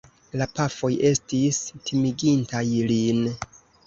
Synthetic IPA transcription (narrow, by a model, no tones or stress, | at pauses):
lapafo̞jʔe̞stistʰimiɡintajlin